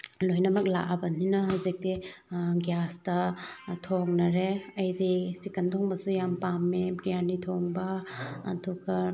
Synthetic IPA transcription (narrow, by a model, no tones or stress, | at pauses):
lojnɐmɐk̚la̰ʔabɐninɐɦawzik̚tiɡjastɐtʰoŋnɐɾeɐjdisikɐntʰoŋbɐsujampamːepɾijanitʰoŋbɐ̰ːtʰukɐ